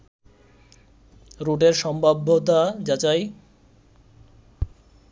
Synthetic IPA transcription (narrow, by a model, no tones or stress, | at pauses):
ɾoʈeɾʃɔmbʱabʱːot̪̬ad͡ʑat͡ɕaj